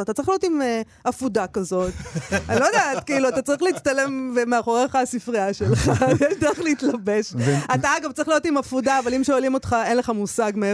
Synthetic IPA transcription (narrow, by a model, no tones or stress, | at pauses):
at̪at͡saɐʁiχlijotim | afudakazo̞t̪anilod̪aːtkiiluat̪at͡saʁiχleiːt͡st̪ale̞mvemeaχo̞ʁeχasifʁiaʃelχajeʃdeʁχliitlabe̞ʃat̪aaɡavtt͡saʁilijo̞timafudaːvalimʃealimo̞tχae̞nleχamusaɡme